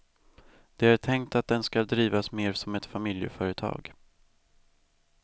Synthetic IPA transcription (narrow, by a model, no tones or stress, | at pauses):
d̪̥ɛaʈʰɛŋkt̪at̪̚d̪ɛnskad̪ɾiːvasmeːɾsɔmɛt̪famɪljə̰fœːɾət̪ʰɑ̰ːɡ